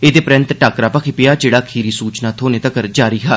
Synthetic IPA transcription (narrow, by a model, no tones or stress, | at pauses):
eːd̪eːpɾɪ̃nt̪ʈaːkɾaːpəkʰipɪjaːd͡ʒeːɽaːkʰiːɾiːsuːt͡ʃnaːt̪ʰoːneːt̪əkəɾd͡ʒaːɾiːɦɛː